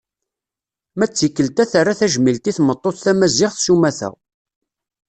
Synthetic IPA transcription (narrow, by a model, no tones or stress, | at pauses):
mæt͡sːikːəlt̪æθaɾːaθæʒmilt̪iθmət̪ˤːoθθæmæzɪʁθsumæθæ̰